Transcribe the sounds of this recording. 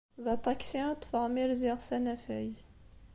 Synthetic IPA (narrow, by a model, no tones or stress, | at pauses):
ðɑt̪ˤɑksiɑt̪ːˤfəʁmiɾziʁsænæfæj